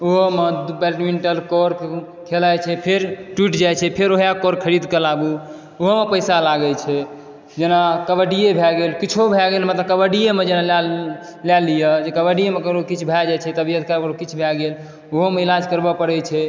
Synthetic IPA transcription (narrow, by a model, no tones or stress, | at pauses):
oɦomed̪bɛlʈminʈəlkoɾ | kʰelajt͡ʃʰɛpʰeɾʈuʈd͡ʒajt͡ʃʰɛpʰeɾoɦjakoɾkʰəɾid̪kəlabu | oɦomepəjsalaɡɛt͡ʃʰɛ | d͡ʒenakəbəɖijebʱɛɡelkit͡ʃʰobʱɛɡelmət̪ləbkəbəɖijemed͡ʒena | lalːijəd͡ʒekəbəɖijemekəɾokit͡ʃʰbʱɛd͡ʒajt͡ʃʰɛt̪əbʱijəd̪ʱikaɾkəɾokit͡ʃʰbʱɛɡel | oɦomeilad͡ʒkəɾbəpəɽɛt͡ʃʰɛ